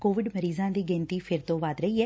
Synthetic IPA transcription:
koːʋɪɖməɾiːzãːd̪iːɡɛ̃ːnt̪iːpʰɪɾt̪õːʋaːd̪ɾəiːɛː

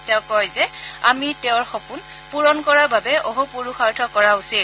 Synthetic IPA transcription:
tɛʊkːɔjzɛa̰mitɛʊɹxɔpun | puɹɔnkɔɹaɹbabɛoɦupoɹuxaɹtʰɔkɔɹausil

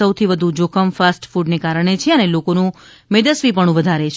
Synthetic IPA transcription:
əwt̪ʰiʋəd̪ʱud͡ʒokʰəmfasʈfuɖnekaɾəɳ̃et͡ʃʰeənelokonũ | med̪əsʋipəɳ̃ũʋəd̪ʱaɾet͡ʃʰ

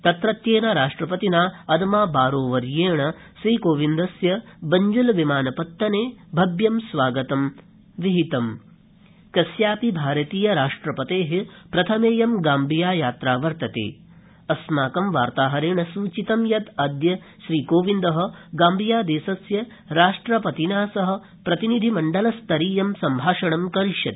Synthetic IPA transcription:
t̪ɐt̪ɾɐt̪jeːɳɐɾaːʂʈɾɐpɐt̪inaːɐd̪maːbaːɾoːʋɐɾjeːɳɐ | ʃɾiːkoːʋind̪ɐsjɐbɐɲd͡ʒulʋimaːnɐpɐt̪ːɐneːbʱɐbjɐmsʋaːɡɐt̪ɐm | ʋiɦit̪ɐm | kɐsjaːpibʱaːɾɐt̪iːjɐɾaːʂʈɾɐpɐt̪eːɦipɾɐt̪ʰɐmeːjɐmɡaːmbʱijaːjaːt̪ɾaːʋɐɾt̪ɐt̪ḛː | ɐsmaːkɐmʋaːɾt̪aːɦɐɾeːɳɐsuːt͡ʃit̪ɐmjɐt̪ɐd̪jɐ | ʃɾiːkoːʋind̪ɐɦɐ̆ɡaːmbʱijaːd̪eːsɐsjɐ | ɾaːʂʈɾɐpɐt̪inaːsɐɦɐ̆ | pɾɐt̪inid̪ʱimɐɳɖɐlɐst̪ɐɾiːjɐmsɐmbʱaːʃɐɽɐmkɐɾiʃjɐt̪

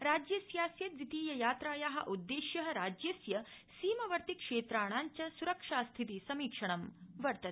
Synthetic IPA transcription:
ɾaːd͡ʑjɐsjaːsjɐd̪ɾit̪iːjɐjaːt̪ɾaːjaːɦɐ̰̆ʔud̪ːeːʃjɐɦɐɾaːd͡ʒjɐsjɐsiːmɐʋɐɾt̪ikʂeːt̪ɾaːɳ̃aːɲt͡ʃɐsuɾɐkʂaːst̪ʰit̪isɐmiːkʂɐɳ̃ɐmʋɐɾt̪ɐ

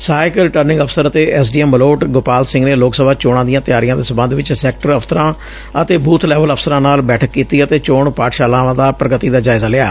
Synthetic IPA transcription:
saːɪkəlɪʈəɾnɪ̃ŋɡəpʰsəɾət̪eːʔɛːs̬ɖiːɛməloːʈɡoːpaːlsɪ̃ŋɡneːloːksəbaːt͡ʃoːɽ̃ãːd̪ijãːt̪ɪjaːɾijãːd̪eːsəmbə̃nd̪ʋɪt͡ʃsɛːk̚ʈəɾəpʰt̪əɾãː | ət̪eːbuːt̪ʰlɛːʋələpʰsəɾãːnaːlbɛːʈʰəkːiːt̪iːət̪eːt͡ʃoːɳpaːʈʃaːlãːʋãːd̪aːpɾəɡət̪iːd̪aːd͡ʒaːɪzaːlɪa̰ː

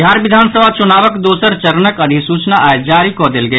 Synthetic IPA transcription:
ɦaːɾʋɪd̪ʱaːnsəbʱat͡ʃʊnaːʋəkd̪oːsəɾt͡ʃəɾnəkɐd̪ʱisuːt͡ʃnaʔaːed͡ʒaːɾikod̪elɡəː

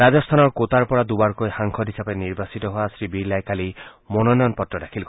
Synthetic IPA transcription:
azɔst̪ʰanɔɹkot̪aɹpɔɹad̪ubaɹkojxaŋkʰɔdʱɦisapeniɹbasit̪ɔɦʊasɹibiɹlajkali | mɔnɔnɔjɔnpɔtːɹɔdakʰilk

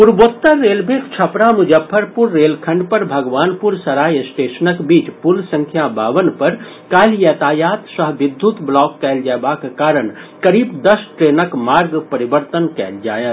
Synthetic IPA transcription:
puɾboːt̪ːəːeːlbʱeːkt͡ʃʰɐpɾamʊd͡ʒəpʰːəɾpʊɾːeːlkʰə̃ɳɖpɐɾbʱɐɡʋaːnpuɾsɐɾaːjsʈeːʃənəkbiːt͡ʃpulsə̃ŋkʰjabaːʋənpɐɾ | kaːljət̪aːjaːt̪səɦʋɪd̪ʱːjut̪blɔːkːɛːld͡ʒabakekaːɾəɽkɐɾiːbd̪ɐsʈɾeːnəkmaːɾɡpɐɾibəɾt̪ənkɛ̰ːld͡ʒaːjət̪

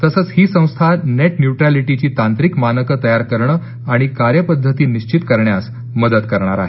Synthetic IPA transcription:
t̪əsəːt͡shiːsə̃w̃st̪ʰaneʈnjuʈɾaliʈit͡ɕiːt̪ant̪ɾikmanəkət̪əjaɾkəɾɳəː | aɽ̃ikaɾjəpəd̪ʱːət̪iːniɕt͡ɕit̪kəɾɳjas | məd̪ət̪kəɾɳ̃a̰ɾa̰ɦe

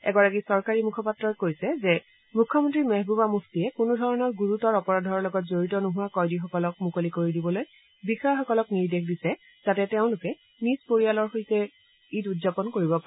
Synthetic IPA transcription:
ɛ̰ɡɔɹakisɔɹkaɹimukʰɔpatɹɔkojsɛzɛ | mukʰːɔmɔntɹimeɦbubamukʰtiɛkʊnudʱɔɹɔnɔɹɡuɹutɔɹɔpɔɹadʱɔɹlɔɡɔt̚zoɹitɔnoɦʊwakɔjdixɔkɔlɔk̚mukolikoɹidibɔloj | bixɔjxɔkɔlɔkniɹdexdisɛ | zatɛteʊ̃lʊkɛ | nispoɹijalɔɹxojsɛ | itutzapɔnkoɹibɔpa

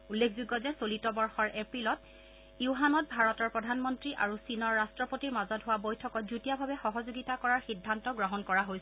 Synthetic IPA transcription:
ulːekʰzuɡːɔzɛsolitɔbɔɹxɔɹʔepɹilɔt | iuɦanɔt̚bʱaɹɔtɔɹpɹɔdʱanmɔntɹiʔa̰ɹusinɔɹːastɹɔpotiɹmazɔtɦʊwabojtʰɔkɔt̚zutijabʱabɛxɔɦɔzoɡitakɔɹaɹxidʱːantɔɡɹɔɦɔnkɔɹaɦojs

